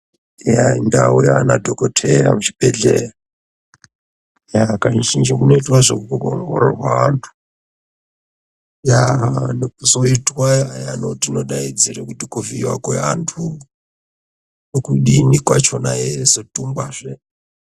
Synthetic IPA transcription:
jaindaujanadʱokotʰeɾa̰mut͡ʃib̥eɮera | jakait͡ʃind͡ʒikunoitwaʐokukukoŋɡo̰ɾo̰rwaʋantʰu̥ | jaɦnuzo̞itwajajanotinoɗaid͡zirekutikuviwakweantʰu | okuɗinikwat͡ʃo̞naezotumbwaʐe

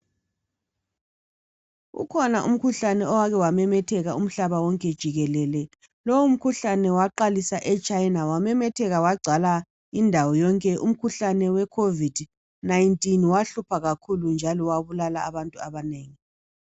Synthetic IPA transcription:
ɣṵkʰɔnaʔṵm̩kʰuɬanɛɔwaɣɛwamɛmɛtʰɛɣaum̩ɬaβawɔŋkʼɛd̥ʒ̥ʱiɣɛlɛlɛ | lɔwum̩kʰuɬanɛwaǃalisaʔɛt͡ʃʼajnawamɛmɛtʰɛɣawaɡ͡ǀʱala | indʱawɔjɔŋkʼɛʔum̩kʰuɬanɛwɛkʰovid | najntʼinwaɬupʰaɣakʰulund͡ʒʱalɔwaβulalaːβantʼuaβaneːŋi

